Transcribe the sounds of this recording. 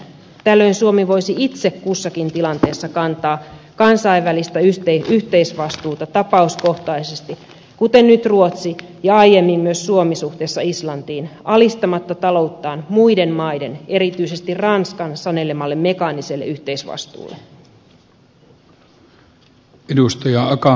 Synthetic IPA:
t̪ælːø̞insuo̞miʋo̞jsiit̪se̞kːusːɑkint̪ilɑnt̪e̞ːsːɑkɑnt̪ɑː | kɑnsɑijʋʋælist̪æyt̪eyht̪e̞isʋɑst̪uːt̪ɑt̪ɑpɑusko̞ht̪ɑisest̪i | kut̪e̞nːyt̪ruo̞t̪sijɑɑje̞mːimmyøsːuo̞misuht̪e̞ːsːɑislɑnt̪iːnɑlist̪ɑmɑt̪ːɑt̪ɑlo̞ut̪ːɑːnmuide̞mmɑjde̞ne̞ɾit̪yise̞st̪irrɑnskɑnsɑne̞le̞mɑlːe̞mːe̞kɑniselːeyht̪e̞isʋɑ̰st̪ṵːlːe | edust̪ɑjɑɑkɑ

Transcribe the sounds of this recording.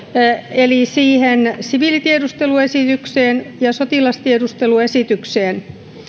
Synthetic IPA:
elisiːhensiʋilit̪iedust̪eluesit̪ykseːnjɑsot̪ilɑst̪iedust̪eluesit̪ykseːn

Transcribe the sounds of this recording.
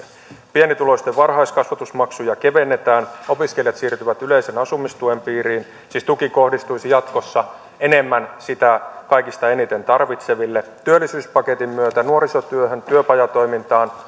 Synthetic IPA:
pienit̪ulo̞st̪eʋʋɑrɦɑiskɑsʋɑt̪usmɑksujɑke̞ʋe̞nːet̪æːno̞piskeljɑt̪siːrt̪yʋæt̪yleisenɑsumist̪uempiːɾiːn | siːst̪ukiko̞hdist̪uisijɑt̪ko̞sːɑ | enemːænsit̪ækɑjkist̪ɑenit̪e̞nt̪ɑrʋit̪se̞ʋilːet̪yølːˑisyːspɑke̞t̪imːyøt̪ænuoɾisot̪yøɦønt̪yøpɑjɑt̪o̞jmint̪ɑːn

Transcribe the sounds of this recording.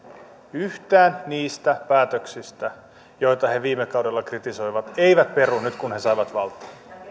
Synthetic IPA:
yht̪æːnːiːst̪æpæːt̪øksist̪æ | jo̞jt̪ɑhe̞ʋiːmekɑwde̞lːɑkrit̪iso̞jʋɑt̪e̞jʋæt̪̚pe̞ɾunyt̪kunhe̞sɑjʋɑt̪ʋɑlt̪ˑɑ̥ː

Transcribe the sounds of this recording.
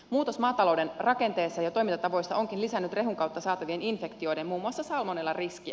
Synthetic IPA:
muːt̪osmɑːt̪ɑlo̞wde̞nrɑke̞nt̪e̞ːsːɑjɑt̪o̞jminɑt̪ɑʋo̞jsːɑʔo̞ŋkinlisænːyt̪re̞ɦuŋkɑwt̪ːɑsɑːt̪ɑʋieninfe̞kt̪io̞jdemmuːmːuɑsːɑsɑlmonelːɑriskiæ̰

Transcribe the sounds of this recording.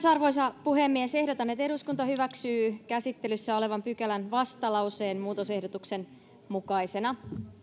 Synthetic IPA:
sɑrʋo̞js̬ɑpuɦe̞mːiese̞hdo̞t̪ɑnːe̞t̪e̞ɾuskunt̪ɑhyʋæksyːkæsit̪ːe̞lysːæo̞le̞ʋɑmpykælænʋɑst̪ɑlɑwseːnmuːt̪o̞se̞hdo̞t̪ukse̞n | mukɑjse̞nɑ

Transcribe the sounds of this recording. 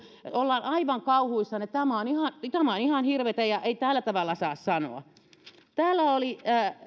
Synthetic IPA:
olːɑːnʔɑiʋɑŋkɑuhuisːɑnet̪æmæonihɑnt̪æmæonihɑnhirʋet̪æjɑʔeit̪æːlːæt̪ɑʋɑlːɑsɑːssɑno̰ɑ̰ | t̪æːlːæoliæː

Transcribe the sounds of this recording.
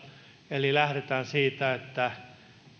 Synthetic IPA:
elilæhɾet̪æːnsiːt̪æet̪ːæ

